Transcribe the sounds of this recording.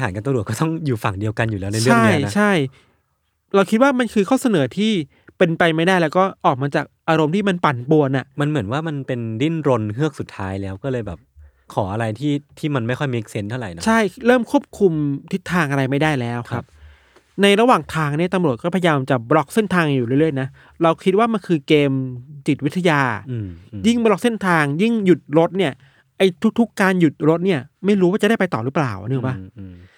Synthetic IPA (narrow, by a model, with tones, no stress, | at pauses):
ɦaː˨˦ka˧t̪ɾu˨˩kɔː˥˩t̪ɔ˥˩ŋjuː˨˩fa˨˩ŋdi˧əwka˧nju˨˩lɛː˦˥wna˧jt͡ɕɾɯ˥aŋː˥˦˩jna˦˥t͡ɕʰa˥˩j | ɾa˧wkʰi˦˥t̪̚waː˥˩ma˧nkʰɯː˧kʰɔː˥˩wsa˧nɤː˩˦t̪ʰiː˥˩ | pe˧npa˧jma˥˩jdaː˥˩jlɛː˦˥wkɔː˥˩ʔɔː˨˩k̚maː˧t͡ɕaː˨˩k̚ʔaː˧ɾo˧mt̪ʰiː˥˩ma˧npa˨˩npu˧ənʔa˨˩ʔma˧nmɯ˩˦ənwaː˥˩ma˧npe˧ndi˥˩nɾo˧nɦɯ˥˩ək̚su˨˩t̪ʰːaː˦˥jlɛː˦˥wkɔː˥˩lɤː˧jbɛː˨˩p̚ | kʰɔː˩˦ʔa˧ɾa˧jt̪ʰiː˥˩t̪ʰiː˥˩ma˧nma˥˩jkʰɔ˥˩jmi˦˥k̚se˦˥nt̪ʰa˥˩wɾa˨˩jnɔ˦t͡ɕʰa˥˩jɾɤː˥˩mkʰu˥˩əp̚kʰu˧mt̪ʰi˦˥t̪ʰːaː˧ŋʔa˧ɾa˧jma˥˩jdaː˥˩jlɛː˦˥wkʰa˦˥p̚ | na˧jɾa˧waː˨˩ŋt̪ʰaː˧ŋni˥˩ɐt̪a˧mɾu˨˩ət̪̚kɔː˥˩pʰajajaː˧mt͡ɕa˨˩bɾɔ˦˥k̚se˥˩nt̪ʰaː˧ŋjuː˨˩ɾɯ˥˩ɾɯ˥˩ə˨jna˦˥ | ɾa˧wkʰi˦˥t̪̚waː˥˩ma˧nkʰɯː˧keː˧mt͡ɕi˨˩t̪̚wi˦˥t̪ʰːa˧jaː˧ | ji˥˩ŋbɾɔ˦˥k̚se˥˩nt̪ʰaː˧ŋji˥˩ŋju˨˩t̪̚ɾo˦˥t̪̚ni˥˩ɐ | ʔa˧jt̪ʰu˦˥k̚t̪ʰu˦˥kːaː˧nju˨˩t̪̚ɾo˦˥t̪̚ni˥˩ɐma˥˩jɾuː˦˥waː˥˩t͡ɕa˨˩daː˥˩jpa˧jt̪ɔː˨˩ɾɯ˦˥pla̰ː˨˩wnɯ˧˩ŋba˦˥˩